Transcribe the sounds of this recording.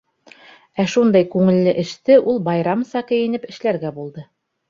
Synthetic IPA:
æʃund̪ɑjkʉŋɘ̆lːɘʔɘ̆ʃt̪ɘʔulˠbɑjɾɑmsɑkɘ̆jɘ̆nɘpɘ̆ʃlæɾɡæbulˠd̪ɤ

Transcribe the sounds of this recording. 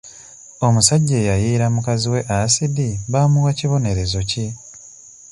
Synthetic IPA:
o̞musaɟːe̞ːjajiːɾamukaziwe̞ʔasidiβaːmuwaciβo̞ne̞ɾe̞zo̞ci

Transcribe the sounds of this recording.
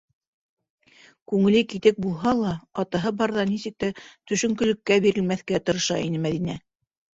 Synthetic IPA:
kʉŋɘ̆lɘkit̪ɘk̚bulˠɦɑlˠɑɑt̪ɑɦɤbɑɾðɑnisɘk̚t̪æt̪ɵ̆ʃɵ̆ŋkɵ̆lɘ̆kːæbiɾɘ̆lmæθkæt̪ɤ̆ɾɤ̆ʃɑ̰ḭnɘmæðinæ

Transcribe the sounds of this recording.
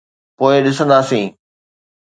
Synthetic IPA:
poːɪɗɪsə̃nd̪aːsĩː

